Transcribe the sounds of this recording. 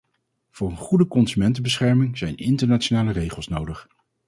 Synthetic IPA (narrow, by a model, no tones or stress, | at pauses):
v̥ʊːrənχudəkɔnzymɛntəbəsχɛɹmɪŋz̥ɛjnɪntəɹnaːt͡ʃonaːlərejχəlˠsnowdəχ